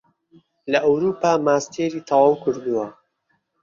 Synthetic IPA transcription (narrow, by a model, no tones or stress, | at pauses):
lɐʔawɾuːpaːmaːst̪ʰeːɾiːt̪ʰɐwaːwkʰɨɾd̪uwɐ